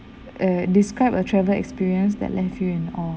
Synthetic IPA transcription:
ədiskɹaɪpətʰɹɛvəlɛ̰kspiɹiə̃ns̬dɛ̰tlʔɛfjuɛ̃nɔ

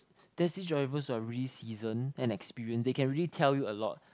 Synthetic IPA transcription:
d̥ɛsid͡ʒaɛvəswaɹiəlisizə̃nɛ̃nɛkspiɹiə̃nsdekɛ̃nɹiəlitʰɛljuəlɔ̰t̚

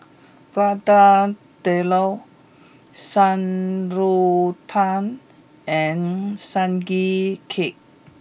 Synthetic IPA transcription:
b̥ɹada | d̥ɛlo | sãnɹot̪ʰãn | ɛ̃nsãnɡikʰek̚

